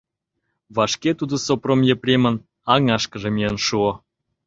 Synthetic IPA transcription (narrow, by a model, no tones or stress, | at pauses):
βɑʃket̪ud̪ŏsopromjĕprʲemə̆n | ɑŋɑʃkə̆ʒĕmʲeənʃuŏ